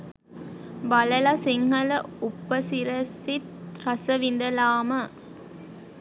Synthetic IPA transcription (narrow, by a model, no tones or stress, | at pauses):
bɐləlasiŋɦɐləupːəsiɾəsit̪ɾɐsəʋin̆d̪əlaːmə